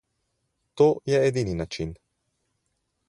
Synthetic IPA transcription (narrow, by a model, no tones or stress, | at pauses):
t̪oːjɛɛd̪ininat͡ʃin